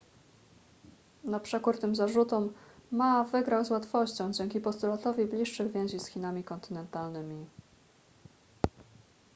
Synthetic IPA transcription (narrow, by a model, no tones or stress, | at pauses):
napʂɛkuɾt̪ɘmzaʐut̪ɔmmavɘɡɾawzwat̪fɔɕt͡ɕɔ̃w̃d͡ʑɛŋkʲipɔst̪ulat̪ɔvʲiblʲiʂːɘɣvʲjɛ̃w̃ʑisxʲinamʲikɔnt̪ɘnɛnt̪alnɘmʲi